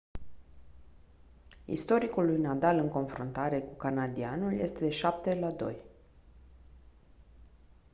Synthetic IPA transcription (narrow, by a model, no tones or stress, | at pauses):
ḭst̪o̞ɾikulːujnad̪alɨŋko̞nfɾunt̪aɾe̞kukanad̪ianulje̞st̪e̞d̪e̞ʃap̚t̪e̞lad̪o̞̰j